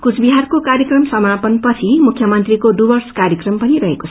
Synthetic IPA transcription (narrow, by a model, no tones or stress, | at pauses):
kut͡sʰbiɦarkokaɾjʌkrʌmsʌmapʌnpʌt͡sʰimukʰjʌmʌnt̪rikodubʌrskaɾjʌkrʌmpʌniɾʌɦekot͡sʰ